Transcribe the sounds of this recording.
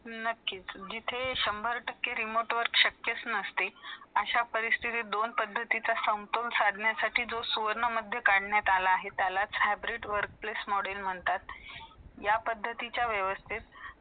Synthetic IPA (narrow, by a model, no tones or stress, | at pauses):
nəkːiːt͡sd͡ʑit̪ʰeɕəmbʱəɾʈəkːeɾimoʈʋəɾkɕəkjət͡snəst̪eəɕapəɾist̪ʰit̪id̪onpəd̪ʱːət̪it͡sasə̃w̃t̪olsad̪ʱɳjasaʈiːd͡zosuʋəɾɳəməd̪ʱːjəkaɽɳjat̪alaːɦet̪jalat͡sɦajbɾiʈʋəɾk̚plesmɔɽelm̤əɳt̪at̪̚ | japəd̪ʱːət̪it͡ɕjaʋjəʋəst̪ʰit̪̚